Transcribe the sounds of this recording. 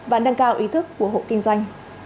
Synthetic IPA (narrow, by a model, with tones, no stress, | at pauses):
ɓa̰ː˧˥nɗə˧ŋkaː˧wʔi˨˦t̪ʰɨ˦˥kːu˧˩əɦo̰˧˨kï˧ŋ̟zwa˧jŋ̟